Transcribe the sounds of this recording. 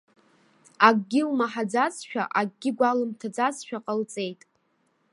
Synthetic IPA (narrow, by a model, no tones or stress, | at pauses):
aɡʼɡʲɪlmaħad͡zat͡sʃᶣa̰ʔaɡ̚ɡʲɪɡʷalɨmtʰad͡zat͡sʼʃᶣaqʼəlt͡sʼe̞jtʼ